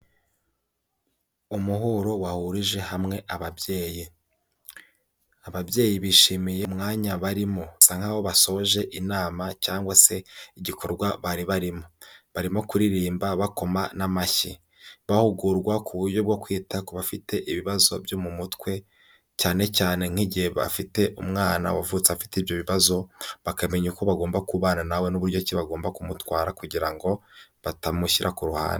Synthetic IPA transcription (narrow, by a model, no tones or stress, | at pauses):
umuɦoɾowahuɾiʒe̞hamŋe̞ʔaβabje̞ːji | aβabje̞ːjiβiːʃimijemŋaːɲaβaɾimo̞saŋ̥haβo̞βaso̞ʒe̞ʔinaːmacaːŋɡwase̞iɟikʰo̞ɾɡwaβaɾiβaɾimo̞βaɾimo̞kuɾiɾiːmbaβako̞manamaçi | βahuɡuɾɡwakʰuβuɾɟo̞b̚ɡo̞kwiːtakoβafitʰe̞ʔiβiβazo̞̰bjomumutkwe̞ | caːne̞caːne̞ŋ̥hiɟihe̞βa̰fite̞ʔumŋaːna̰wavut͡saafi̥tibjo̞βiβazo̞βakame̞ɲuko̞βaɡo̞ːmbakuβananawe̞nuβuɾɟo̞ciβaɡo̞ːmbakumutwaːɾakuɟiɾaŋɡo̞βatamuʃiɾʔakuɾuha̰ːn